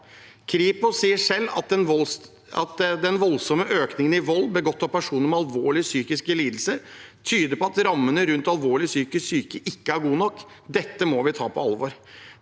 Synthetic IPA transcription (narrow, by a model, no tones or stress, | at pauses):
kʰɾiːpʊsiːəʂɛlːɑ | ɑt̪d̪ɛnʋɔlsɔməʔøːknɪŋənɪʋɔlːbəɡɔt̪ːɑpʰæʂuːnəɾmɛɑlʋoːɭɪsyːkɪskəliːd̪l̩səɾt̪ʰyːd̪əɾpɔɑt̪ɾɑmːənəɾʉnt̪ɑlʋoːɭɪsyːkəsyːkəʔɪkːəæɾɡuːnɔkː | d̪ɛt̪ːəmɔʋɪt̪ʰɑ̰ːpʰɔɑlʋɔɾ